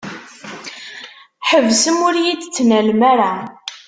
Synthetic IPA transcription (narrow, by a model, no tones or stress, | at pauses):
ħəvsəmʊɾjid̪t͡sːnælmaɾa